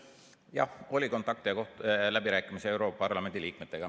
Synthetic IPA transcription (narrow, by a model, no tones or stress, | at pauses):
jɑ̰ho̞lʲiko̞nt̪ːˑɑkt̪ieko̞ht̪læbiɾæːkːˑimiseewɾopːɑpɑrlɑme̞nd̪iliːkmet̪ːˑe̞ɡɑ